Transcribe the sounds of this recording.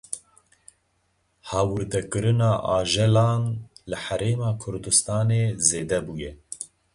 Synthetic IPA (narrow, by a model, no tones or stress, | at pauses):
hɑːwɨɾd̪ɛkɨɾɨnɑːʔɑːʒɛlɑːnlɨhæɾeːmɑːkʰʊɾd̪ɨst̪ɑːneːzeːd̪ɛbuːjɛ